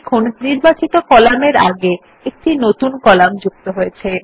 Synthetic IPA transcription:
kʰonniɾbat͡ɕit̪okɔlameɾa̰ɡe | ek̚ʈinot̪unkɔlamd͡ʑuk̚t̪oɦojet͡ɕʰe

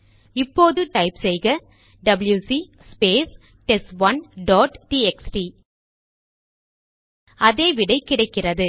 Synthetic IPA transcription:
ɪpːoːðɯʈɐɪpsɛjɣɐ | ɖɐbɪljuːsi | speːs | ʈɛsʋɐnɖɔːʈʈiɛksʈi | ɐðeːʋɪɽɐɪkːɪɽɐɪkːɪrɐðɯ

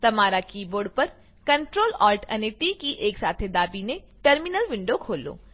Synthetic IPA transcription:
t̪ɐmaːɾakiːboːɾɖpɐɾ | kɐ̃ɳʈɾoːlɔːlʈɐ̰neʈikiʔeːksaːt̪ʰed̪aːbinẽ | ʈəɾmɪnəlʋɪ̃ɳɖokʰoːlo̰ː

